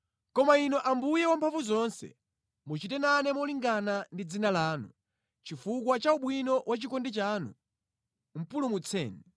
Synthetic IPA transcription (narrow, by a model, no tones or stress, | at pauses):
kɔmainɔʔambujɛwampʰaɱvuzɔnsɛ̰ | mut͡ʃitɛnanɛmɔliŋɡanandid͡zinalaːnu | t͡ʃifukwat͡ʃauɓwinɔwat͡ʃikɔndit͡ʃaːnṵ | m̩pulumut͡sʰɛ̰ːni